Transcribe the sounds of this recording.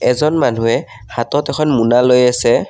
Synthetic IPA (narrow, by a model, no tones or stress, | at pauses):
ɛzɔnman̤uɛ | hatɔtɛkʰɔnmunalojasɛ